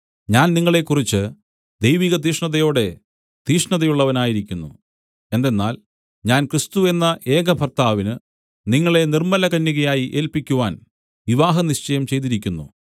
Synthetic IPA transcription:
ɲaːnniŋːɐɭe̞kːurit͡ɕːɨ | d̪ejʋiːɣɐd̪iːʂɳɐðɐjo̞ːɽe̞ | d̪̥iːʂɳɐðɐjuɭːɐʋɐnaːjiɾikʲːunːṵ | e̞nd̪e̞nːa̰ːl | ɲaːnkrist̪ue̞nːɐʔe̞ːɡɐbʱɐrt̪aːʋinɨ | niŋːɐɭe̞nirmɐlɐkɐnːiɣɐjaːjiʔe̞ːlpikʲːuʋaːn | ʋiʋaːɦɐniɕt͡ɕɐjɐmt͡ɕe̞jt̪̬iɾikʲːunːṵ

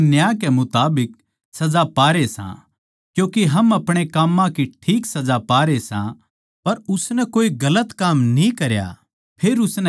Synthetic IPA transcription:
njaːkɛmʊt̪aːbɪk̚ | sɐd͡zapaːɾesã̰ | kjũːkiɦɐmɐpɽ̃ekaːmːãkiʈʰiːksɐd͡zapaːɾesã̰ | pɐɾʊsnɛkoːiɡɐlət̪kaːmnĩkɐɾja̰ | pʰeːɾʊsnɛ

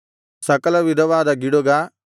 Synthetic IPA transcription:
sɐkɐlɐʋid̪ɐʋaːd̪aɡɪɽoɡa

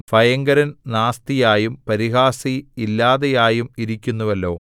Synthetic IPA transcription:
fɐjɐŋɡɐɾɐnnaːst̪ijaːjumpɐɾiɦaːsiilːaːðɐjaːjumiɾikʲːunːuʋɐlːo̞ː

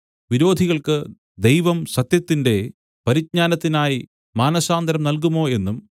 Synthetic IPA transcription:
ʋiɾo̞ːd̪ʱiɣɐɭkɨ | d̪e̞jʋɐmsɐt̪jɐt̪ːinde̞ | pɐɾit̚ɲaːnɐt̪ːinaːji | maːnɐsaːnd̪ɐɾɐmnɐlkumːo̞ːe̞nːum

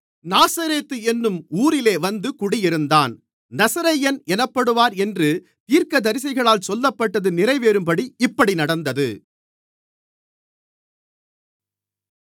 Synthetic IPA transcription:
naːsɐɾeːt̪ːɯɛnːɯmuːɾɪleːʋɐnd̪ɯkʊɽɪjɪɾɯnd̪aːn | nɐsɐɾɐjɐnɛnɐpːɐɽɯʋaːɾɛndrɯ | t̪iːɾkɐd̪ɐɾɪs̬ɐɪɣɐɭaːlsɔlːɐpːɐʈːɐðɯnɪrɐɪʋeːɾɯmpɐɽiɪpːɐɽinɐɽɐnd̪ɐðɯ

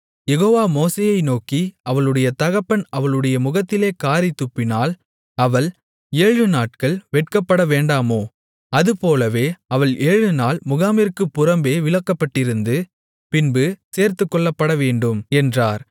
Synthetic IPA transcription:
jɛɣoːʋaːmoːseːjɐɪnoːkiʔɐʋɐɭɯɽɐjɐt̪ɐɣɐpːɐnɐʋɐɭɯɽɐjɐmʊɣɐt̪ːɪleːkaːɾit̪ːʊpːɪnaːl | ɐʋɐɭ | eːɻɻɯnaːʈ̚kɐɭʋɛʈ̚kɐpːɐɽɐʋeːɳɖaːmoː | ɐðɯpoːlɐʋeːɐʋɐɭʔeːɻɻɯnaːlmʊɣaːmɪɾkɯpːʊɾɐmbeːʋɪɭɐkːɐpːɐʈːɪɾɯnd̪ɯ | pɪnbɯseːɾt̪ɯkːɔɭːɐpːɐɽɐʋeːɳɖɯmɛndraːɾ

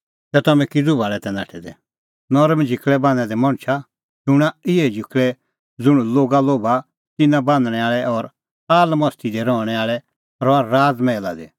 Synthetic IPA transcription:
t̪ɛt̪ɐmɛ̃kɪd͡zubaːɭɛt̪ɛna̰ːʈʰɛd̪ɛ | nɔɾmd͡ʒʱɪkʰɭɛbãːnɛ̃d̪ɛmɐ̃ɽ̃t͡ʃʰa | d͡ʒʊɽ̃aɪɛd͡ʒʱɪkʰɭɛ | d͡zʊɽ̃loːɡaloːba | t̪ɪnãbãːnd̪ɽ̃ɛaːɭɛɔɾ | aːlmɔst̪ʰid̪ɛɾɔːɽ̃ɛaːɭɛ | ɾɔaɾaːd͡zmɛːla̰d̪ɛ̰

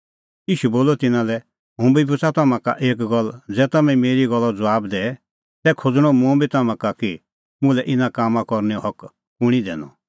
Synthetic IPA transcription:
iːʃuboːlɔt̪ɪnãlɛ | ɦũːbibʊt͡sat̪ɐmãka̰ʔeːk̬ɡɔld͡zɛːt̪ɐmɛ̃imeːɾiɡɔlːɔd͡zɐʋaːbd̪ɛː | sɛkʰod͡zɽ̃ɔ̃mũbʱit̪ɐmãkaki | mʊ̃lɛʔɪnãkaːmãkɔɾnɛɔɦɔk | pʊɽ̃id̪ɛ̰ːnɔ̰

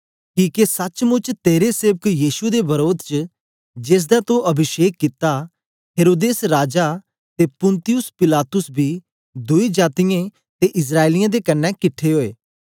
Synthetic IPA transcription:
kiːkesɐt͡ʃmʊt͡ʃt̪eːɾeseːʋəkjiːʃud̪ebɐɾoːd̪t͡ʃə | d͡ʒeːs̬d̪at̪õʔɐbʱɪʃeːkːɪt̪a | ɦeːɾoːd̪eːsɾaːd͡ʒa | t̪eːpʊ̃nt̪ɪjʊspɪlaːt̪ʊsbʱiː | d̪ʊid͡ʒaːt̪ɪjẽ | t̪eʔɪs̬ɾaːelɪjãːd̪ekɐnːɛ̃ːkɪʈʰːeɦoːeː

